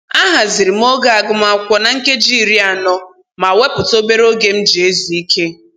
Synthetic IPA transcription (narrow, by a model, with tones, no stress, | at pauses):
a˦ɦa˨zɪ˨ɾi˨m̩˦o˦ɡa˦a˨ɡʊ˦ma˨kʷɔ˦na˨ŋ̩˦ke˦d͡ʒi˦˨ɾi˦a˨nɔ˦ | ma˨we˦pʊ˨to˦be˦ɾo˦ɡe˦m̩˦d͡ʒi˨e˦zi˨i˦kʰe˦